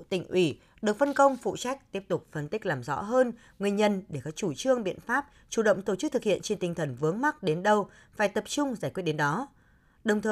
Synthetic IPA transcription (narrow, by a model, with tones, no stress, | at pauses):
t̪ï˧˩ŋ̟ʔwi˧˩ | ɗɨ˨˩ək̚fə˧nkə˧wŋ͡mfṵ˧˨t͡ɕa˦˥jk̟̚t̪i˦˥əp̚t̪ʊ˨˩k͡p̚fə˧nt̪ï˦˥k̚laː˨˩mzɔ̰˧˥ɦəː˧n | ŋɨ˨˩ənɲə˧nɗe˧˩kɔ˨˦t͡ɕu˧˩t͡ɕɨ˧əŋɓḭ˧˨ənfaː˦˥p̚ | t͡ɕu˧˩ɗə̰˧˨wŋ͡mt̪o˧˩t͡ɕɨ˦˥t̪ɨ˨˩k̚hḭ˧˨ənt͡ɕe˧nt̪ï˨ŋ̟t̪ʰə˧˩nvɨ˨˦əŋma˦˥t̚ɗe˨˦nɗə˧w | faː˧˩jt̪ə˨˩p̚t͡ɕʊ˧ŋ͡mzaː˧˩jkwi˦˥ət̚ɗe˨˦nɗɔ˨˦ | ɗə˨˩wŋ͡mt̪ʰəː˨